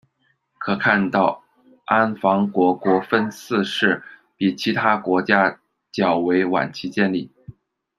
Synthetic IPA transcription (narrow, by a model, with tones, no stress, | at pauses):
kʰɤ˨˩kʰa˥˧nt̪ɑ˥˩ʊ | a˥nfɑ˧˥ŋkwɔ˧˥kwɔ˧˥fə˥nt͡sʰɹ̩˥˧ʂɻ̩˥˩ | pi˨˩t͡ɕʰi˧˥t̪ʰa˥kwɔ˧˥t͡ɕja˥ | t͡ɕjɑ˨˩ʊwe˧˥ɪwa̰˨˩nt͡ɕʰi˧˥t͡ɕjɛ˥˧nli˥˩